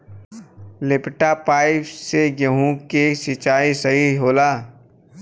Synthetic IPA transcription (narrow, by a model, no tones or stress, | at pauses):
lɪpʈapaːɪpseɡəɦũkesɪt͡ʃaːisɐɦiɦoːlaː